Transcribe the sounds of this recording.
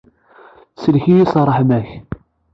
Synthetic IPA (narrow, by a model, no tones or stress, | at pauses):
səlçijisrˤːəħmæç